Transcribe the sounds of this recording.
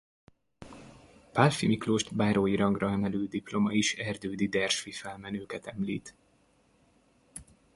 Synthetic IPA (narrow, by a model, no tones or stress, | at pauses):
palfimikloːʃt̪baːɾoːjiɾɒŋɡrɒɛmɛlyːd̪iplo̞mɒiʃɛrd̪øːd̪id̪ɛrʃfifɛlmɛnøːkɛt̪ɛmliːt̪